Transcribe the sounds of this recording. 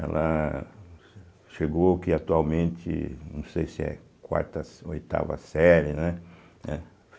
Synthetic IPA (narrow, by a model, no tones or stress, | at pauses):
ɛ̰lɐ | ʃeɡowkɪat̪uawmẽnt̪ɪ̰nɐ̃w̃sejsɪɛ̰ | kwa̰ɾt̪ɐsojt̪a̰vɐ̰sɛɾɪnɛ | ɛ